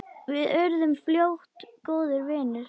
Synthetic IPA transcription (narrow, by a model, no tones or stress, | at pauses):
vɪðœɾðʏmfljowht̪koːwðʏɾvɪːnʏɾ̥